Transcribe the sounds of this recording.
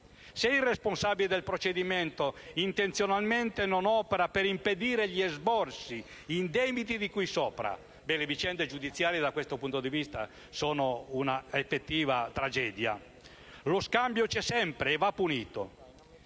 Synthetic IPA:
seilresponsaːbiled̪elpɾot͡ʃed̪iment̪oint̪ent̪sjonalment̪enonɔːpeɾapeɾimped̪iːɾeʎiɛzbɔrsi | ind̪ɛːbit̪id̪ikujsɔːpɾa̰ | bɛlevit͡ʃɛnd̪ed͡ʒud̪it̪sːjaːɾjed̪akwest̪opunt̪od̪ivist̪a̰ | sɔːnounaefːet̪ːiːvat̪ɾad͡ʒɛːd̪ja̰ | loskambjot͡ʃɛsɛmpɾeːvapːuniːt̪o̰

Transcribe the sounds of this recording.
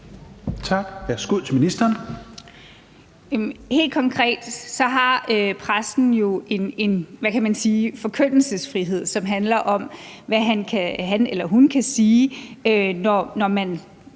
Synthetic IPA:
t͡sʰɑ̈ɡ̥ʋæɐsɡ̥uð̰ˠt͡sʰe̝minisd̥ɐːn | he̝̰ːld̥̚kʰɒ̽ŋkʰʁɛ̰ːd̥sɒ̽ɦɑ̈øpʰʁasn̩jo̝ʔe̝ne̝nʋækʰæmænsiːfɒ̽kʰøn̰l̩səsfʁiɦe̝ð̰ˠsɒ̽mɦænlɐʔɒ̽mʋæɦænkʰæɦænelɐɦunkʰæsiːønɒnɒmæn

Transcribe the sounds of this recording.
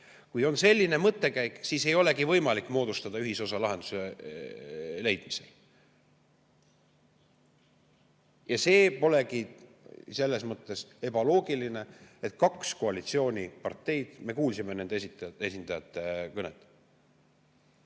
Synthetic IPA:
kujo̞nse̞lʲːine̞mɤt̪ːe̞kæjksiːse̞jo̞le̞ɡivɤjmɑlikːˑmo̞ːd̪̥ust̪ɑd̪̥ɑyɦiso̞sɑlɑɦe̞nd̪̥u̥se | le̞jd̪̥mise̞l | jɑse̞ːpo̞le̞ki | se̞lːe̞smɤt̪ːˑe̞se̞bɑlo̞ːɡiline̞et̪kɑksko̞ɑlit̪sio̞ːnʲipɑrt̪ːe̞jd̪̥me̞kuːlsimene̞nd̪eesit̪e̞sind̪ɑjɑt̪ːˑekɤnet̪ːˑ

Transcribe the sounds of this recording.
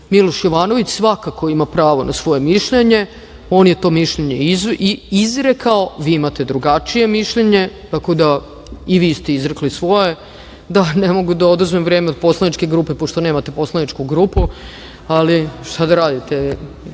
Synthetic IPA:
milˠo̞ʃjoʋaːno̞ʋit͡ɕsʋakako̞imapɾaːʋo̞nasʋo̞jemiʃʎeɲe̞ | o̞ːnjet̪o̞ːmiʃʎeɲeziizɾekao̞ʋiːimat̪e̞d̪ɾuɡat͡ʃije̞miʃʎeɲe̞t̪ako̞d̪a | iʋiːst̪eizɾeklisʋo̞je | d̪anemo̞ɡud̪aod̪uzmemʋɾeːmeod̪̚po̞slˠanit͡ʃke̞ɡɾuːpe̞po̞ʃt̪one̞ːmat̪e̞po̞slanit͡ʃkuɡɾuːpu | aliʃt̪ad̪aɾaːd̪it̪e

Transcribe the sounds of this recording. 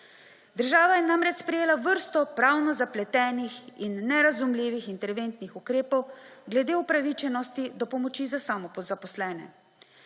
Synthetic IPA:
d̪əɾʒaːʋajɛnamɾɛt͡ʃspɾɛjeːlaʋəɾst̪ɔpɾaːwnɔzaplɛt̪ɛːnixinːɛɾazumliːʋixint̪ɛɾʋent̪nixukɾeːpɔwɡlɛd̪eːupɾaʋit͡ʃɛnɔst̪id̪ɔpɔmɔt͡ʃizasamɔpɔzapɔslɛːnɛ̰

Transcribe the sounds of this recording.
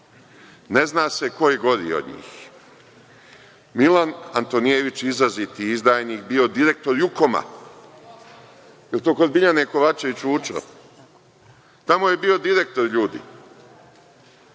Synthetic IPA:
ne̞znaːse̞ko̞jeɡo̞ɾḭo̰d̪ɲḭːx | milanant̪o̞nijeʋit͡ʃizazit̪iizd̪aːjniːkbio̞d̪iɾe̞k̚t̪o̞ɾjuko̞ma̰ | jelt̪o̞ːko̞d̪biʎaneko̞ʋat͡ʃe̞ʋit͡ʃuːt͡ʃo̰ | t̪amoje̞biːo̞d̪iɾe̞k̚t̪o̞ɾʎuːd̪ḭː

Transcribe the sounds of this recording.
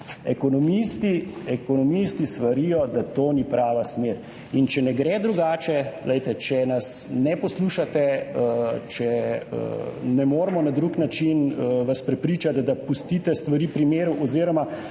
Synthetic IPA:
ɛkɔnɔmist̪iɛkɔnɔmist̪ist̪ʋaɾijɔd̪at̪oːnipɾaːʋasmeːɾ | int͡ʃɛnɛɡɾɛːd̪ɾuɡaːt͡ʃɛlɛjt̪ɛt͡ʃɛnasnɛpɔsluːʃat̪ɛət͡ʃɛ̰ | nɛmoːɾmɔnad̪ɾuknat͡ʃinəʋaspɾɛpɾiːt͡ʃat̪d̪apust̪it̪ɛst̪ʋaɾiːpɾimeːɾuʔɔziːɾɔma

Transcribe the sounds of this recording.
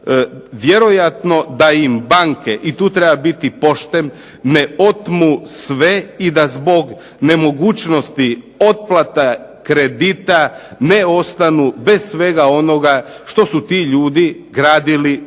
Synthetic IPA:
ʋje̞ɾo̞jat̪no̞d̪aimbaŋkeʔit̪uːt̪ɾebabit̪ipo̞ʃt̪em | ne̞o̞t̪musʋe̞id̪azbo̞ɡ | ne̞mo̞ɡuːt͡ʃno̞st̪i | o̞t̪̚plˠat̪a | kɾed̪it̪aneo̞st̪anube̞ssʋe̞ɡao̞no̞ɡa | ʃt̪o̞sut̪iːʎuːd̪iɡɾaːd̪ili

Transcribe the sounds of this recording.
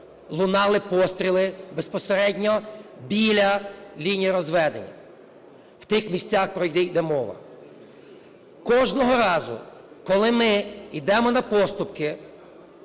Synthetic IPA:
lˠʊnɑlˠɪpɔst̪ɾʲilˠɪbespɔseɾɛdʲnʲɔbʲilʲɐlʲinʲijɐɾɔzʋɛd̪enʲːɐ̰ | w̥t̪ɪxmʲisʲt͡sʲɑxpɾɔjd̪ɪjd̪ɛmɔʋɐ̰ | kɔʒnɔɦɔɾɑzʊ̰ | kɔlˠɪmɪid̪ɛmɔnɐpɔst̪ʊpkɪ

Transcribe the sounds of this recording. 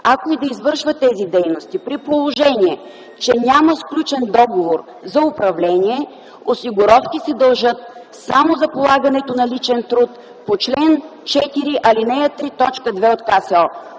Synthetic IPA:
ɐkoid̪ɐizvɤɾʃvət̪ɛzid̪ɛjnost̪ipɾipolˠoʒɛniɛ | t͡ʃɛnʲaməsklʲut͡ʃɛnd̪ɔɡovoɾ | zɐʊpɾɐvlɛniɛ | osiɡʊɾɔfkisɛd̪ɐlˠʒɤt̪̚ | samozɐpolˠaɡɐnɛt̪onɐlit͡ʃɛnt̪ɾut̪ | pot͡ʃlɛn | t͡ʃɛt̪iɾiʔɐlinɛjət̪ɾit̪ɔt͡ʃkəd̪vɛot̪kasɛɔ

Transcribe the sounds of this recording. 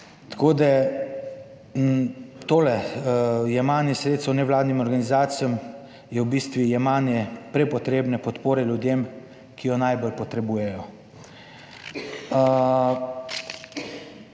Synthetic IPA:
t̪ḁkoːd̪a | t̪oːlɛ | jɛmanjɛsɾeːt̪st̪wnɛʋlaːd̪nimɔɾɡanizaːt̪sijɔm | jɛwbiːst̪ʋijɛmaːnjɛpɾɛpɔt̪ɾeːbnɛpɔt̪poːɾɛlʲjud̪jem | kʰijɔnajbolpɔt̪ɾɛbuːjɛjɔ

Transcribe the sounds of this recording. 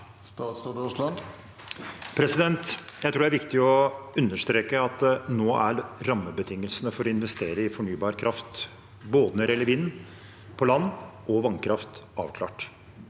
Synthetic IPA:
st̪ɑːsoʈɔʂlɑ | pʰɾɛsɪd̪ɛnt̪jæɪt̪ʰuːɖ̪æɾʋɪkt̪ɪɔʉnːəʂt̪ɾeːkəɑt̪noːʔæ̰ɾɾɑmːəbət̪ʰɪŋːəlsənəfɔɾɔɪnʋɛst̪eːɾəɪfɔɳyːbɑːɾkʰɾʔɑft̪ | boːd̪ənəɾɛləɾʋinː | pʰɔlɑnːɔʋɑŋkʰɾɑft̪ɑ̰ːʋkʰlɑ̰ːʈ

